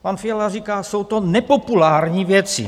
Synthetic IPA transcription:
panfiɛlariːkaːsowt̪onɛpopulaːɾɲiːvjɛt͡sḭ

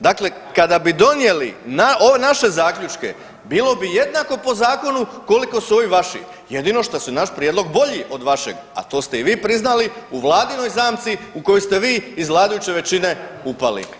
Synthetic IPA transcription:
d̪akle̞kad̪abid̪o̞nje̞linaoʋenaʃe̞zaːkʎut͡ʃke̞̰ | biːlo̞bije̞d̪nako̞po̞zaːko̞nuko̞liko̞suo̞ʋiʋaʃḭ | je̞d̪ino̞ʃt̪asunaʃpɾʲjed̪lˠo̞ɡbo̞ʎiʔo̞d̪ʋaʃe̞̰ɡa̰t̪o̞ːst̪eiʋiːpɾiznaliuʋlˠaːd̪ino̞jzaːmt̪siukojost̪e̞ʋiːzlˠaːd̪ajut͡ɕe̞ʋe̞t͡ɕine̞upa̰lḭ

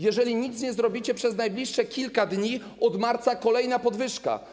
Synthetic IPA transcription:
jɛʐɛlʲiɲit̪sɲɛzɾɔbʲit͡ɕɛpʂɛznajblʲiʂːɛkʲilkad̪ɲi | ɔd̪maɾt̪sakɔlɛjnapɔd̪vɘʂka̰

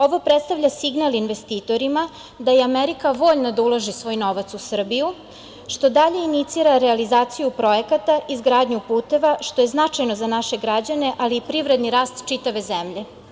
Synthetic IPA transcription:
o̞ʋopɾet̪st̪aʋʎasiɡnalinʋe̞st̪iːt̪o̞ɾima | d̪ajeameɾikaʋo̞ʎnad̪aulˠaʒisʋo̞ːjno̞ʋat̪susr̩biju | ʃt̪o̞d̪aʎe̞init̪siːɾaɾealizaːt̪sijupɾo̞jekat̪aʔizɡɾaːd̪ɲupuːt̪e̞ʋaʃt̪o̞je̞znat͡ʃajno̞zanaʃeɡɾad͡ʑane̞ʔaliːpɾiʋvɾe̞d̪niɾaːst̪t͡ʃit̪aʋe̞zemʎe̞

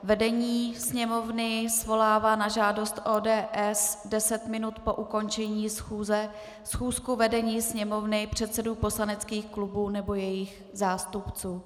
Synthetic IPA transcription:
vɛdɛɲiːsɲɛmo̞vnɪsvo̞laːvaːnaʒaːdo̞st̪ʔoːdɛːʔɛsdɛsɛt̪mɪnut̪po̞ʔuko̞nt͡ʃɛɲiːsxuːzɛ | sxuːskuvɛdɛɲiːsɲɛmo̞vnɪpr̝̥ɛt̪sɛduːpo̞slanɛt͡skiːxklubuːnɛbo̞jɛjɪx | zaːst̪upt͡suː

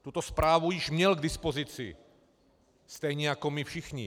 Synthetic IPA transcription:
t̪ut̪ospɾaːvujɪʒmɲɛlɡd̪ɪspozit͡sɪ̰ | st̪ɛjɲɛjakomifʃixɲɪ̰

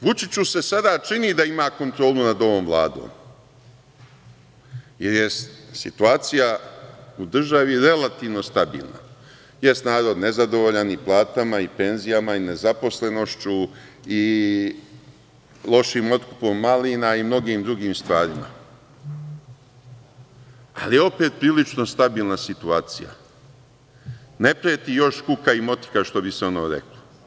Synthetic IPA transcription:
ʋut͡ʃit͡ɕuse̞sad̪aːt͡ʃiniːd̪aimaːko̞nt̪ɾo̞ːlˠunad̪o̞ʋo̞ːmvlˠa̰ːd̪o̰ːm | jeɾje̞st̪sḭt̪uaːt̪sijaud̪r̩ʒaʋiɾe̞lat̪iːʋno̞st̪abḭːlˠna̰ | je̞st̪naːɾo̞d̪ne̞zad̪o̞ʋoʎaniplˠaːt̪amaipe̞nzijamaine̞zapo̞sle̞no̞ʃt͡ɕui | lˠo̞ʃiːmo̞t̪kupo̞mːaliːnaimno̞ɡiːmd̪ɾuɡiːmst̪ʋaːɾima̰ | alijeo̞pe̞ːt̪̚pɾiːlit͡ʃno̞st̪abiːlˠnasit̪uaːt̪sija̰ | ne̞pɾet̪ijo̞ʃkukaimo̞t̪i̥kaʃt̪o̞biseo̞noːɾḛklo

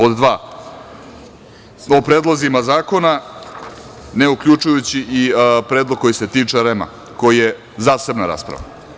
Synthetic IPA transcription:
od̪ːʋaː | opɾeːd̪lˠozimazaːko̞na | ne̞ukʎʲut͡ʂujut͡ɕiʔipɾeːd̪lˠoɡ̚ko̞jise̞t̪iːt͡ʂeɾema̰ | ko̞jije | zaːse̞bnaɾa̰ːspɾa̰ʋa̰

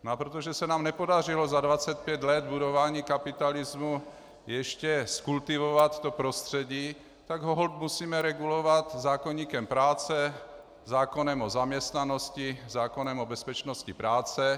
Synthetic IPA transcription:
napɾot̪oʒɛsɛnaːmnɛpodar̝ilozadvat͡sɛt̪̚pjɛd̪lɛd̪budovaːɲiːkapɪt̪alizmu | jɛʃcɛskult̪ivovat̪ːopɾost̪r̝̥ɛɟiː | t̪aɡɦoɦolp̚musiːmɛɾɛɡulovat̪zaːkoɲiːkɛmpɾaːt͡sɛ | zaːkonɛmozamɲɛst̪nanoscizaːkonɛmobɛspɛt͡ʃnoscipɾaːt͡sɛ

